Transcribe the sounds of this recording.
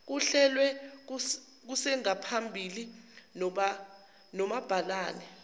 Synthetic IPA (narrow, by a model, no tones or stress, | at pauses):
k̬uɬɛlwɛ | k̬usɛŋapʰambʱilinɔɓa | nɔmab̥ʱalaːnɛ